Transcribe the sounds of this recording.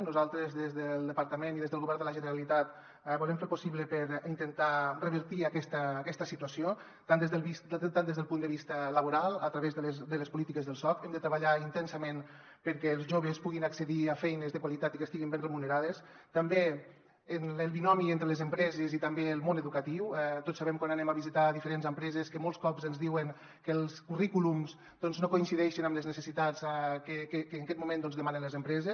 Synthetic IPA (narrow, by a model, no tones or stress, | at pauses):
nuzalˠt̪ɾezðezðəlˠd̪əpaɾt̪əmeniðezðəlˠɣoβɛɾd̪ələʒənəɾalit̪at̪ | bulemfeɾpusiβləpəɾint̪ənt̪arəβ̞əɾt̪iakɛst̪əːkɛst̪əsit̪uasio | t̪and̪ezðəβist̪and̪ezðəlˠpund̪əβist̪ələβuɾalˠət̪ɾaβezðəld̪ələspulit̪ikəzðəlˠsɔfɛmd̪ət̪ɾəβaʎaint̪ɛnsəmen | pəɾkɛːlˠzʒoβ̞əspuɣ̞inaksəðiafɛjnəzðəkwalit̪at̪ikəst̪iɣimbenremunəɾaðes | t̪ambeː | nəlˠβinɔmient̪ɾəlezəmpɾɛzezit̪ambelˠmonəðukat̪iwɛt̪otsaβɛmkwananemaβizit̪aðifəɾenzəmpɾɛzeskəmolˠskɔpzənzðiwəŋ | kəlˠskurikulumz | d̪ɔnznokoinsiðɛʃinamləznəsəsit̪azkekekəːŋakɛt̪mumẽnd̪ɔnzðəmanənləzəmpɾɛzes